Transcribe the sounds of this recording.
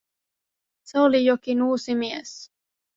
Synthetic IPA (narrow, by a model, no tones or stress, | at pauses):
seolijokinuːsimies